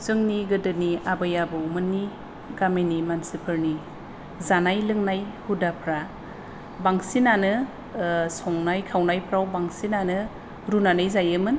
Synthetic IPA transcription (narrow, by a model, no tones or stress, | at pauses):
zɯŋniɡɯdɯniabajabɯwmɯnːi | ɡamenimansipʰɯɾni | zanajlɯŋnajhudapʰɾa | baŋsinanɯ | sɔŋnajkʰawnajpʰɾawbaŋsinanɯ | ɾunanɯjzajɯmɯn